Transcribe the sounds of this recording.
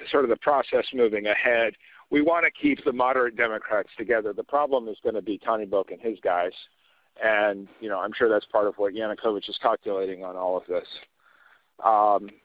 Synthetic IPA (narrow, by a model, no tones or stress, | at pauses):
sɔɹɾʌvəpʰɹ̥ɑsɛsmʉvɪ̃ŋɨhɛd̚ | wiwɑ̃ñɨkʰip̚ðəmɑɾə˞ɨt̚d̥ɛmɨkʰɹ̥ætstʰɨɡɛðə˞ðəpʰɹ̥ɑblə̃mɨzɡʌnɨbitʰɑñiboʊkɨ̃nɪzɡaɪz̥ | ʔɨ̃njɨnoʊãɪ̃mʃʊɹðætspʰɑɹɾʌvwʌt̚jænɨkʰoʊvɨt͡ʃɨz̥kʰɑkjɨleɪɾɪ̃ŋə̃nɔlˠʌvðɪs | ʔʌ̃m